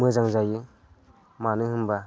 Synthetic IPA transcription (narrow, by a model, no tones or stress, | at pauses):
mɯzaŋzajɯ | manɯhɯmba